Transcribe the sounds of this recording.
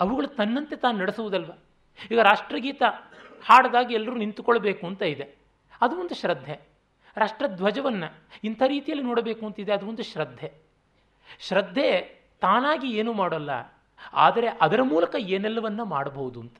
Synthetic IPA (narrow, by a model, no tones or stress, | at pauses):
ɐʋuɡɐɭut̪ɐnːɐnt̪e̞t̪aːnunɐɽesuʋud̪ɐlʋɐ | iːɡɐɾaːʂʈɾɐɡiːt̪ɐhaːɽɐd̪aːɡiɛlːɐɾuːnint̪ukɔɭːɐbeːkuɐnt̪ɐid̪e̞ | ɐd̪uʋond̪uʃɾɐd̪ʱːe | ɾaːʂʈɾɐd̪ʋɐd͡ʒɐʋɐnːɐint̪ʰaːɾiːt̪ijɐlːinoːɽɐbeːkuɐnt̪ɐid̪eɐd̪uʋond̪uʃɾɐd̪ʱːe̞ | ʃɾɐd̪ʱːe̞ | t̪aːnaːɡieːnuːmaːɽɐlːɐ̰ | a̰ːd̪ɐɾe̞ʔɐd̪ɐɾɐmuːlɐkɐeːnɛlːɐʋɐnːɐmaːɽɐbɐɣud̪uɐnt̪ɐ̥